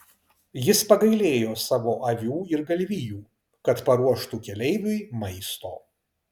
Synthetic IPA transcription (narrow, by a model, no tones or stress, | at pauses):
jɪspɐɡɐɪlʲeːjoːsɑːʋoːʔɐʋʲuːɪɾɡɐlʲʋʲijuː | kɐt̪pɐɾuɔʃt̪uːkʲɛlʲɛɪʋʲʊɪmɐɪst̪o̰ː